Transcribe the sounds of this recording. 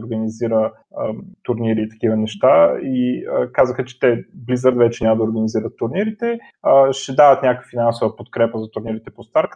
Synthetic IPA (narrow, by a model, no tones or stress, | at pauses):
oɾɡəniziɾə | ət̪ʊɾniɾit̪ɐ̥kivənɛʃt̪aiəkazəxət͡ʃɛ̥t̪ɛblizəɾd̪vɛt͡ʃɛnʲaməd̪əoɾɡəniziɾət̪ːʊɾniɾit̪ɛ | əʃɛd̪avət̪nʲakəkəfinansovɐpot̪kɾɛpəzɐt̪ʊɾniɾit̪ɛpost̪aɾk